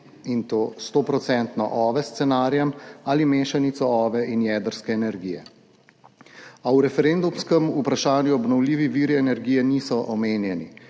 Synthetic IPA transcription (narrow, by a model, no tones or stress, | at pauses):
int̪oːst̪oːpɾɔt̪sɛnt̪nɔ̰ʔɔːʋɛst̪sɛnaːɾjɛmaːlimeːʃanit̪sɔɔːʋɛʔinjɛd̪əɾskɛːnɛɾɡiːjɛ̰ | awɾɛfɛɾend̪umskɛmupɾaʃaːnjuɔbnɔwliːʋiʋiːɾiɛnɛɾɡiːjɛnisɔʔɔmeːnjɛni